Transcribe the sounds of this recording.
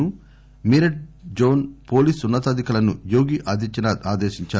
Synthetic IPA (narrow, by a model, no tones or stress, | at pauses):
u | miɾɐʈ̚d͡ʒoːnpo̞ːliːsunːɐt̪ɐd̪ʱikɐlɐnujoːɡiʔaːd̪it͡ʃinɐaːd̪eːʃiɲt͡ʃaː